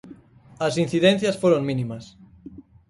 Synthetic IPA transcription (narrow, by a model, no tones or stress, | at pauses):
ɐsin̟θiðẽnθjɐsfoɾoŋmĩnĩmas